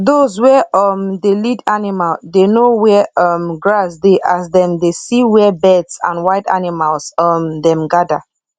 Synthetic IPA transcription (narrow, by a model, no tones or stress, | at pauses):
ðozwɛʔʌmdelidanimaldenowɛʌmɡɹasdeʔasdɛ̃mdesiwɛbɛdsã̰nwaɪta̰nimalˠsʌmdɛ̃mɡada̰